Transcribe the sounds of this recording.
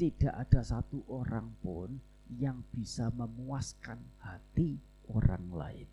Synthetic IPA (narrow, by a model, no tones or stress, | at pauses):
t̪id̥aʔad̥asat̪uʔoɾaŋpʊn | jaŋb̥isaməmuaskanhat̪i | oɾa̰ŋla̰ɪ̰n